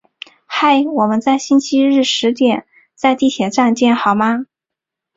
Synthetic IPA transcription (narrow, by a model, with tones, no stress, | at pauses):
xa˥˩ɪwɔ˨˩mə˦nt͡sa˥˩ɪɕi˥nt͡ɕʰi˥ɻɻ̩˥˩ʂɻ̩˧˥t̪jɛ˨˩˦n | t͡sa˥˧ɪt̪i˥˩t̪ʰjɛ˨˩ʈ͡ʂa˥˧nt͡ɕjɛ˥˩nxɑ˨˩ʊma˥